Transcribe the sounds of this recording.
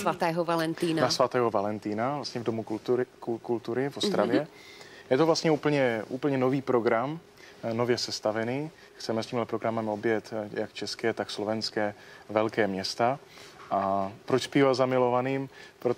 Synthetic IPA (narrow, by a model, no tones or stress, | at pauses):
svat̪ɛːɦɔvalɛnt̪iːnanasvat̪ɛːɦovalɛnt̪iːnavlast̪ɲɛvdomukulkult̪uɾɪvost̪ɾavjɛ | jɛt̪ovlast̪ɲɛuːpl̩ɲɛʔuːpl̩ɲɛnoviːpɾoɡɾam | novjɛsɛst̪avɛniː | xt͡sɛmɛst̪iːmɦlɛpɾoɡɾamɛmobjɛt̪jakt͡ʃɛskɛːt̪akslovɛnskɛː | vɛlkɛːmɲɛst̪aʔapɾot͡ʃspiːvazamɪlovaniːmpɾo